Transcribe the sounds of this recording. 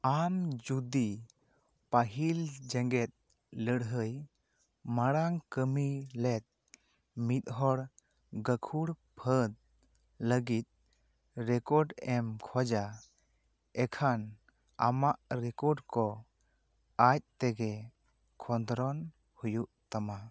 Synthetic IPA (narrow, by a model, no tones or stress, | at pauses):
amd͡ʒud̪i | paɦild͡ʒɛŋɡɛt̪̚ | ləɽɦəj | maɽaŋkəmilɛt̪̚ | mit̪̚ɦɔɽ | ɡəkʰuɽpʰəd̪̚ | ləɡit̪̚ | ɾɛkɔɖɛmkʰɔd͡ʒa | ɛkʰan | a̰maʔɾɛkɔɾɖkɔ | ac̚t̪ɛɡɛ | kʰɔnd̪ɾɔn | hujuʔt̪ama